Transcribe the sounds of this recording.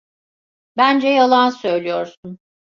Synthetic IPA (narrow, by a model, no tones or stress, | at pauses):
bænd͡ʒɛjalˠansø̞jlʲijoɾsun